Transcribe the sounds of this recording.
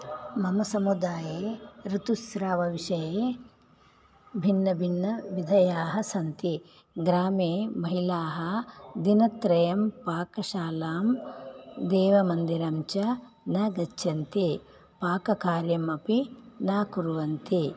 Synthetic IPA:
mɐmɐsɐmud̪aːjeːɾut̪usɾaːʋɐʋiʃɐjeː | bʱinːɐbʱinːɐʋid̪ʱɐjaːɦɐsɐnt̪i | ɡɾaːmeːmɐɦilaːɦɐd̪inɐt̪ɾɐjɐmpaːkɐʃaːlaːm | d̪eːʋɐmɐnd̪iɾɐmt͡ʃɐ | nɐɡɐt͡ʃːɐnt̪i | paːkɐkaːɾjɐmɐpinaːkuɾuʋɐnt̪i

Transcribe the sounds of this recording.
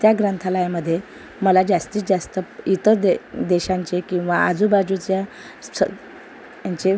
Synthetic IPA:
t̪jaɡɾənt̪ʰaləjaməd̪ʱːje | məlad͡ʑast̪iːt͡sd͡ʑast̪əit̪əɾd̪ed̪ɛɕãɲt͡ɕekĩw̃ʋaad͡zuːbad͡ʑut͡ɕja | sə | aɲt͡ɕe

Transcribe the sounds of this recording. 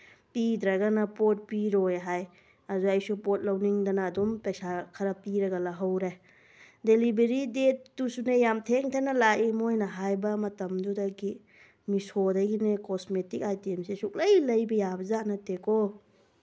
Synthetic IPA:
pidɾɐɡanɐpot̚piɾojɦaj | ɐzuɐjsupɔt̚lɐwniŋdɐnɐːdumpɐjsakʰɐɾɐpiɾɐɡɐlaɦawɾe | delibeɾidet̚ːusunejamtʰeŋtʰanɐlaʔimojnɐɦajbɐmɐtɐmdudɐɡi | misodɐɡinekɔsmetikajtiemsesuk̚lɐjlɐjbɐjabɐzatnɐtekʰo

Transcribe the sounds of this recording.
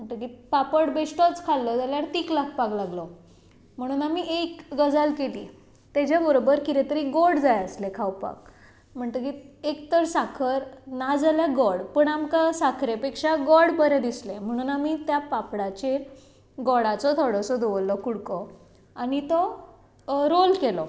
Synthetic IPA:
m̤əɳt̪əkipapəɽbesʈɔt͡skʰalːɔd͡zaljaɾt̪iklak̚ʰpaɡlaɡlɔ | m̤əɽ̃uːnamiːʔekɡəd͡zalkelḭː | t̪ad͡ʑjabəɾobəɾkiɾet̪əɾiɡoɽd͡zajəslekʰawpa̰k | m̤əɳt̪əkiek̚t̪əɾsakʰəɾnad͡zaljaɡɔɽpəɳamkasakʰɾepekʂaɡɔɽpəɾẽd̪islem̤əɽ̃uːnamiːt̪japapɽat͡ɕeɾ | ɡɔɽat͡sɔt̪ʰɔɽɔsɔd̪oʋlːɔkuɽkɔ | añit̪ɔ | ɾolkelɔ

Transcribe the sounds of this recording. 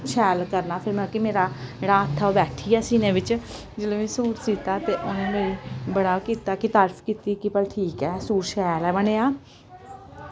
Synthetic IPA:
ʃɛːlkəɾnaːpʰɪɾmɛ̃kɪmeːɾaːɾaːət̪ʰːaːobɛːʈʰijɛːsiːnẽːʋɪt͡ʃ | d͡ʒeːlẽːmẽːsuːɾsiːt̪aːt̪eːʔʊnẽːmeːibəɽaːkiːt̪aːkɪt̪əɾpʰkiːt̪iːkɪpəlʈʰiːkɛːsuːɾʃɛːlɛːbəneːaː

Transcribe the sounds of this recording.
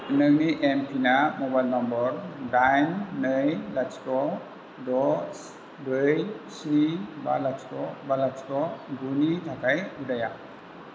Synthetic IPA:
ənəŋniʔempʰinamɔbajlnɔmbɔɾdajnːəjlat͡ʃtɔ | dɔs | bɯjsiba̰lastɔbalat͡ʃtɔɡunitʰakajudaja

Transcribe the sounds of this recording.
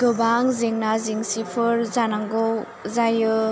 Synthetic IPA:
ɡ̥ɯbaŋziŋnaziŋsipʰɯɾzanaŋɡɔw | zajɯ

